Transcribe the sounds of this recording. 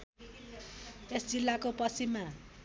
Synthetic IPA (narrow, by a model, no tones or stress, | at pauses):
esd͡zilːakopʌsimːa